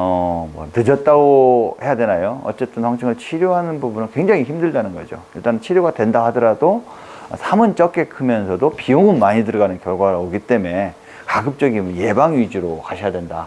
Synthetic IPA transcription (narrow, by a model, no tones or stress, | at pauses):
ʌmʌtɯd͡ʑʌt̚t͈aɡohe̞jadwe̞najoʌ̰t͡ɕ͈e̞t͈ɯnɸwaŋt͡ɕʰiŋɯɭt͡ɕʰiɾjoɦanɯnbubunɯɭkwe̞ŋd͡ʑaŋiçimdɯɭdanɯnɡʌd͡ʑo̰ḭɭt͈anɯnt͡ɕʰiɾjoɡadwe̞ndahadʌɾado | ʌsʰamɯnt͡ɕ͈ʌk͈e̞kʰɯmjʌnsʰʌdopioŋɯnmaɲidɯɾɡanɯnkjʌɭɡwaɾɯoɡit͈e̞me̞ | kaɡɯp̚t͡ɕ͈ʌɡimje̞baŋɥid͡ʑiɾokaɕʰijadwe̞nda